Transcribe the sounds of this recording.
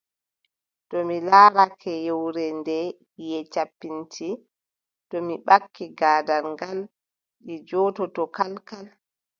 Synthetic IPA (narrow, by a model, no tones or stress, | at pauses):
tɔmilaːɾakʰɛjɛwɾɛndɛ | jɛt͡ʃapːintʰi | tɔmiɓakːiɡaːdaɾŋɡal | ɗid͡ʒɔːtɔtɔkalkal